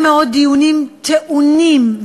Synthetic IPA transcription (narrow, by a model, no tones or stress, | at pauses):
mɛɔd̪iunimt̪ʰɛʔunːimv